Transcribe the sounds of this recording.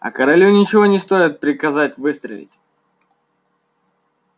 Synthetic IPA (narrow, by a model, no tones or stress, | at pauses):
ɐ̰kəɾɐlʲunʲɪt͡ɕɪvo̞nʲɪst̪o̞ɪt̪̚pɾʲɪkɐzatʲvɨst̪ɾə̰lʲɪ̰tʲ